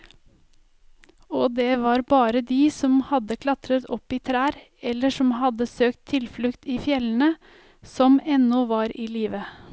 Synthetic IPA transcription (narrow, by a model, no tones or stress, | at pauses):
ɔːd̪eːʋɑːɾbɑːɾəd̪iːsɔmhɑd̪əkʰlɑt̪ɾət̪ʰɔpːiːt̪ʰɾæːɾ | ɛlːəʂɔmɦɑd̪əsøːkt̪ʰːɪlflʉkt̪iːfjɛlən̩ə | sɔmɛnːɔʋɑːɾiːliːʋə